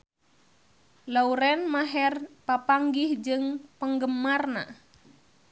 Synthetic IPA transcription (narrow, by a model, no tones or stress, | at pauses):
lauɾɛnmaɦɛrpapaŋɡɪhd͡ʒɨŋpəŋɡəmarna̰